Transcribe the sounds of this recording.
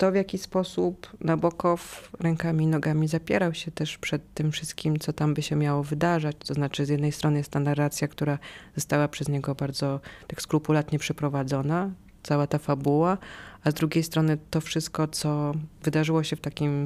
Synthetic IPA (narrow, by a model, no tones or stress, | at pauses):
t̪ɔvʲjakʲispɔsupnabɔkɔfɾɛŋkamʲinɔɡamʲizapʲjɛɾawɕɛt̪ɛʂpʂɛt̪ːɘmfʂɘst̪̚kʲimt̪sɔt̪ambɘɕɛmʲjawɔvɘd̪aʐat͡ɕt̪ɔznat͡ʂɘzjɛd̪nɛjst̪ɾɔnɘjɛst̪t̪anarːat̪sʲjakt̪uɾazɔst̪awapʂɛzɲɛɡɔbaɾd̪zɔt̪akskɾupulat̪ɲɛpʂɛpɾɔvad̪zɔna | t̪sawat̪afabuwaazd̪ɾuɡʲejst̪ɾɔnɘt̪ɔfʂɘst̪̚kɔt̪sɔvɘd̪aʐɘwɔɕɛft̪akʲim